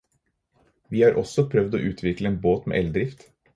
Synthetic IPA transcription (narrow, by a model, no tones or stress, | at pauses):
ʋiːhɑːɾʔɔsɔpʰɾœʋd̪o̰ːʔʉːt̪ʰʋɪkləeːnboːt̪mḛːʔɛld̪ɾɪft̪